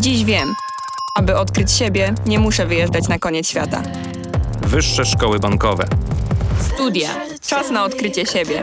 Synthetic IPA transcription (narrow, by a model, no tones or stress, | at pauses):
d͡ʑiʑvʲjɛm | abɘɔt̪kɾɘt͡ɕɕebʲjɛɲɛmuʂɛvɘjɛʐdat͡ɕnakɔɲɛt̪sɕfʲat̪a̰ | vɘʂːɛʂkɔwɘbaŋkɔvɛ̰st̪ud̪ʲja̰ | t͡ʂasnaɔt̪kɾɘt͡ɕɛɕebʲjɛ